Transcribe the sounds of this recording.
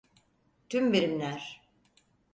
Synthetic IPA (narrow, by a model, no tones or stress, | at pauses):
t̪ʰymbeɾimlʲæɾ̥